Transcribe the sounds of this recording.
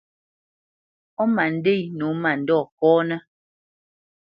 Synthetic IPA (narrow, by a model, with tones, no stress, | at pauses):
ɔ˦ma˨n̩˦de˦˨nu˨˦ma˨n̩˨dɔ˦˨kɔː˦nɛ˦